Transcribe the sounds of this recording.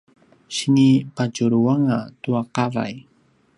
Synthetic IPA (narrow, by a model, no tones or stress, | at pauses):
ʃɪŋipat͡ʃʊɾuwaŋat̪uaqɑɾa̰j